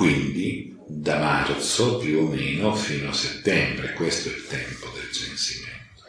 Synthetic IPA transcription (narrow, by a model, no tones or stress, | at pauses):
kwind̪i | d̪amart̪sopjuomɛːnofiːnoaset̪ːɛmbɾekwest̪oɛ̰lt̪ɛmpod̪eld͡ʒensimɛn | o